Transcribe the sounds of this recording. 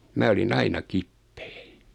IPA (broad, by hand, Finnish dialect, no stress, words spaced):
mæ olin ɑinɑ kipːe̥ː